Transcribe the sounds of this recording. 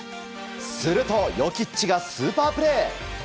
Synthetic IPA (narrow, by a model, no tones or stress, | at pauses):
sɨɾɯ̟t̪o̞jokʲit͡ɕiɡasɨːpaːpɯ̟ɾe̞ː